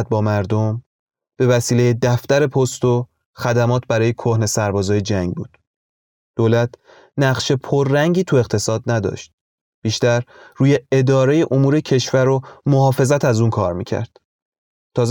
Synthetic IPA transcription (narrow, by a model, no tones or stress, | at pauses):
t̪̚bɒːmæɾd̪om | b̥e̞væsiːlejed̪æft̪æɾe̞pʰost̪o | xæd̪æmɒːt̪ʰbæɾɒːje̞kʰohne̞sæɾbɒːzɒːjed͡ʒæŋɡbṵːd̪̥ | d̪̥oːlæt̪ʰ | næɢʃe̞pʰoɾːæŋɟiːt̪ʰue̞ɣt̪ʰe̞sɒːd̪̚næd̪ɒ̰ːʃt̪̚ | b̥iːʃt̪æɾruːje̞ed̪ɒːɾejeʔomuːɾe̞cʰe̞ʃvæɾomohɒːfe̞zæt̪ʰæzuːnkʰɒːɾmḭːcʰæ̰ɾd̪̥ | t̪ʰɒːz